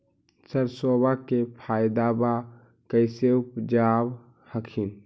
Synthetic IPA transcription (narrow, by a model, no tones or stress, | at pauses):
səɾsoːbakepʰaːjd̪aba | kəɪseʊpd͡ʒaːb | həkʰin